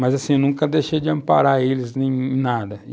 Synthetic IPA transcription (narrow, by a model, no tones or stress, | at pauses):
mazasĩnũŋkɐd̪ejʃejd͡ʒɪɐ̃mpa̰ɾaelɪznẽj̃nad̪ɐ